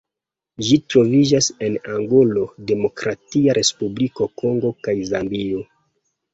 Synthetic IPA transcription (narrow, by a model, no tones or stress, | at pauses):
d͡ʒitɾo̞vid͡ʒase̞naŋɡolo̞de̞mo̞kɾatiaɾʔe̞spubliko̞ko̞ŋɡo̞kajzambio